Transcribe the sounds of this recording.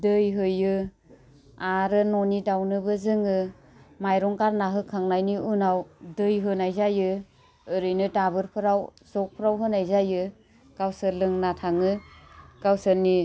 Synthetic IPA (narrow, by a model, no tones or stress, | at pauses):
dɯjɦɯjɯ | aɾɯnɔnitawnɯbɯzɯŋɯ | majɾɔŋkaɾnaɦɯkʰaŋnajniʔunawdɯjɦɯnajzajɯ | ɯɾɯjnɯtabɯɾpʰɯɾaw | zɔk̚pʰɾawɦɯnajzajɯ | ɡawsɯlɯŋnatʰaŋɯkawsɯni